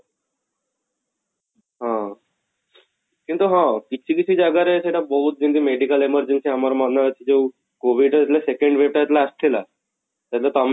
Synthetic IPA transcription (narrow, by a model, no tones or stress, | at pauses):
ɦã | kĩnt̪uɦãkit͡ɕʰikit͡ɕʰiːd͡ʑaɡaɾeseʈabəɦut̪̚d͡ʑind̪iːmeɖikəleməɾd͡ʑensiamaɾamadnaɾat͡ɕ̪ʰid͡ʑew | koʋiɖat̪lasekẽɳɖʋep̚ʈat̪laːst̪ʰela | t̪jat̪lat̪am